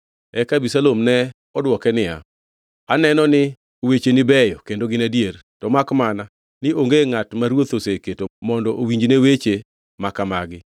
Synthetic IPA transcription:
ɛkabisalomnɛ | ɔdwɔkɛnɪja̰ | anɛnɔnɪ | wet͡ʃenɪbɛjɔkendoɡɪnadiertɔmakmana | nɪoŋɡeŋatmaɾwot̪oseketomɔndɔʔowiɲd͡ʒnewet͡ʃe | makamaɡɪ

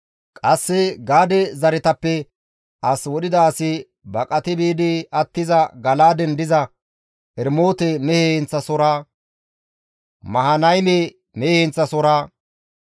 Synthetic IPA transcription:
kʼɐsːɛɡaːd̪ɛzɐɾɪt̪ɐpːɛ | ʔɐswɔɗɪd̪ɐːsɪ | bɐkʼɐt̪ɪbiːd̪ɪɐt̪ːɪzɐɡɐlaːd̪ɛnd̪ɪzɐ | ʔɛɾmoːt̪ɛmɛhɛhɛnt͡sːɐsɔɾaː | mɐhɐnɐjmɛ | mɛhehɛnt͡sːɐsɔɾaː

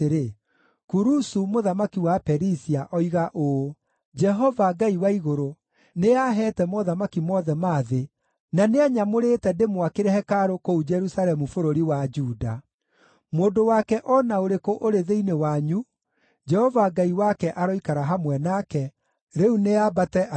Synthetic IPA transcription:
eɾe | kuɾusumoðamakiwapɛɾisiaʔɔiɣaʔo | d͡ʒɛɦɔvaɡaiwaiɣoɾo | neaɦɛtɛmoðamakimɔðɛmaːðe | naneaɲamoɾetɛdemwakeɾɛhɛkaɾokoud͡ʒɛɾusalɛmufoɾoɾiwad͡ʒuːda̰ | moːndowakɛʔɔnaoɾekoʔoɾeðeinewaɲu | d͡ʒɛhɔvaɡaiwakɛʔaɾɔikaɾaɦamwɛnakɛ | ɾeuneabatɛ

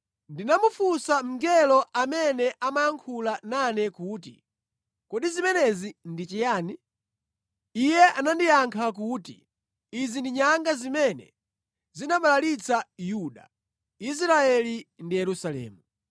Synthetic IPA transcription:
ndinamufusam̩ŋɡɛlɔamɛnɛʔamajaŋkʰulananɛkuːtḭ | kɔɗizimɛnɛzindit͡ʃɛjaːni | ijɛʔanandijaŋkʰak̬utḭ | izindiɲaŋɡazimɛnɛ̰ | zinaɓalalit͡sʰajuɗa̰ | is̬ɾaɛlindijɛɾusalɛ̰ːmu

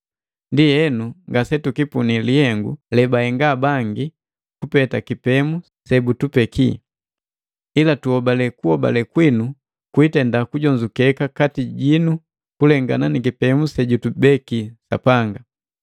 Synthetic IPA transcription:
ndijɛnuŋɡasɛtukipunilihɛŋɡṵlɛbahɛŋɡabaŋɡi | kupɛtakipɛmu | sɛbutupɛkʰi | ilatuɔbalɛkuhɔba̰lɛkwinu | kuitɛndakuɟɔɲd͡ʒukɛkakatiɟinu | kulɛŋɡa̰nanikipɛmusɛɟutubɛkisa̰paŋɡa

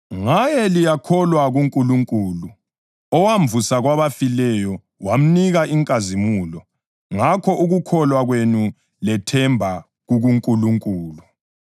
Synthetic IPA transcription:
ŋajɛlijakʰɔlwaɣuŋkʼuluŋkʼuːlu | ɔwaɱvusaɣwaβafilɛjɔ | wam̩niɣaʔiŋkʼazimuːlɔ | ŋakʰɔʔuɣukʰɔlwaɣwenu | lɛtʰɛmbʱa | ɣuɣuŋkʼuluŋkʼuːlu

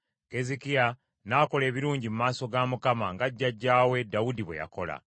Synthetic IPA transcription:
kezikia | naːko̞le̞ːβiɾuːɲɟimumaːso̞ɡamukamaŋɡaɟːaɟːaːwe̞dawudiβwe̞ja̰ko̞la̰

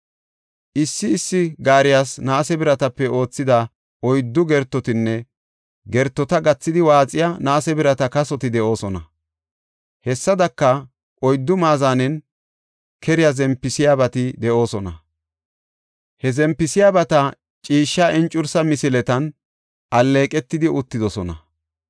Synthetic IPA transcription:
ʔɪsːɪːsːɪɡaːɾɪjaːsnaːsɛbɪɾɐt̪ɐpːɛʔo̞ːt͡sːɪd̪ɐ | ʔɔjd̪ːʊɡɛɾt̪ːɔt̪ɪnːɛ | ɡɛɾt̪ːɔt̪ɐɡɐt͡sːɪd̪ɪwaːt͡sʼɪjanaːsɛbɪɾɐt̪ɐkɐsɔt̪ɪd̪ɛʔo̞ːsɔnɐ̰ | hɛsːɐd̪ɐkːɐ | ʔɔjd̪ːʊmaːzaːnɛn | kʰɛɾɪjazɛmpːɪsɪjaːbɐt̪ɪd̪ɛʔo̞ːsɔnɐ | hɛzɛmpːɪsɪjaːbɐt̪ɐ | t͡ʃʼiːʃːaʔɛnt͡ʃʼːʊɾsɐmɪsɪlɛt̪ɐn | ʔɐlːe̞ːkʼɛt̪ːɪd̪ɪʔʊt̪ːɪd̪ɔsɔnɐ̰

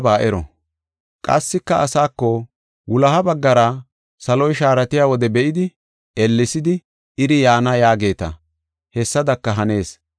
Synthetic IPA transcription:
baːʔɛɾɔ̰ | kʼɐ̰sːɪkːɐʔɐsaːkːɔ | wʊlɐhɐbɐɡːɐɾɐ | sɐlɔjʃaːɾɐt̪ɪjaːwɔd̪ɛbɛʔɪd̪ɪ | ɛlːɪsɪd̪ɪ | ɪɾɪjaːnɐjaːɡe̞ːt̪ɐ̰ | hɛsːɐd̪ɐkːɐɦɐne̞ːs

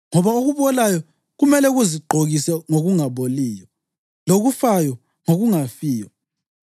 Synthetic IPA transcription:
ŋɔβaoɣuβɔlajɔ | ɣumɛlɛɣuziɡ͡ǃʱoɣisɛŋoɣuŋaβoliːjɔ | loɣufajɔ | ŋoɣuŋafiːjɔ

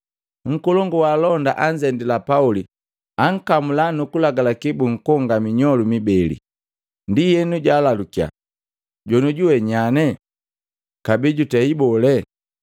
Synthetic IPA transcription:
ŋ̩kɔlɔŋɡɔwaːlɔnda̰ʔaɲd͡ʒɛndilapauli | aŋ̩kamulanukulaɡalakibuŋ̩kɔŋɡamiɲɔlumibɛlḭ | ndijɛnuɟaːlalukia̰ | ɟɔnuɟuwɛɲanɛ | kabiɟutɛibɔlɛ

